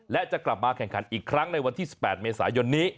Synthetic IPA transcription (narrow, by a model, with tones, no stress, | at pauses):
lɛ˦˥t͡ɕa˨˩kla˨˩p̚maː˧kʰɛ˨˩ŋkʰa˩˦nʔiː˨˩kʰɾa˦˥ŋna˧jwa˧nt̪iː˥˩si˨˩pːɛː˨˩t̪̚meː˧sa̰ː˩˦jo˧nːiː˦˥